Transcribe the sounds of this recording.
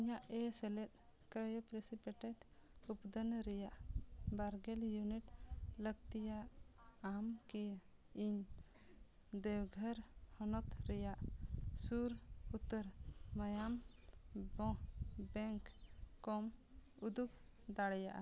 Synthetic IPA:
iɲaʔɛsɛlɛt̪̚ˀ | kɾəjpɾesipɛʈɛɖ | upd̪ənɾɛjaʔbaɾɡɛljuniʈləɡ̚t̪ijaʔ | amkɛj | iɲ | d̪ɛwɡʱəɾhɔnɔt̪ɾɛjaʔsuɾut̪ːəɾməjam | bɔ̃bɛŋkːɔm | ud̪uk̚ | d̪aɽɛjaʔa̰

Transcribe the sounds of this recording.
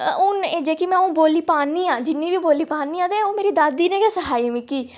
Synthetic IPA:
ʊneːd͡ʒeːkimɛ̃ːũːboːliːpaːniːãːd͡ʒɪnːĩːbiːboːliːpaːniːãːd̪ẽːoːmeːɾiːd̪aːd̪iːnẽːkɛːsəɦaːiːmĩkiː

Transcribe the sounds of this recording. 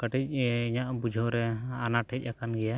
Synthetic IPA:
kəʈic̚iɲaʔbud͡ʒʱɔɾɛanaʈʰɛc̚ˀakanɡɛja

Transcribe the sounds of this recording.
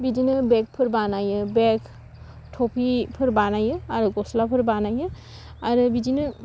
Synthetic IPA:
bidinɯbek̚pʰɯɾbanajɯbekʰ | tʰopʰipʰɯɾbanajɯaɾɯɡɔslapʰɯɾbanajɯ | aɾɯbidinɯ

